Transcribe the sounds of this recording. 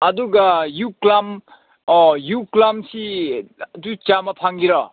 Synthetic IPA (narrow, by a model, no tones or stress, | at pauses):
ɐd̪uɡajuklam | juklamsi | dut͡ʃamapʰaŋɡiɾɔ